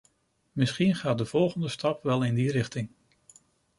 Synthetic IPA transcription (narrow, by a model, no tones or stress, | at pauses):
mɪsχinχaːt̚dəv̥ɔlˠχəndəstɑpʋɛlˠɪndiɾɪχtɪŋ